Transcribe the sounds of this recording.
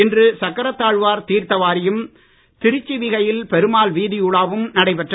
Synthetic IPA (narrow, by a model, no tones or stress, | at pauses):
ɪndrɯsɐkːɐɾɐt̪ːaːɻʋaːɾt̪iːɾt̪ɐʋaːɾɪjɯm | t̪ɪɾɪt͡ʃːɪʋɪɣɐjɪlpɛɾɯmaːlʋiːðiʊɽaːʋɯmnɐɽɐɪpɐʈrɐ